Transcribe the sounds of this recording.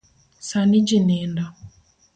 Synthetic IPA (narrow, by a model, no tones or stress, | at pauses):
sanid͡ʒinɛnda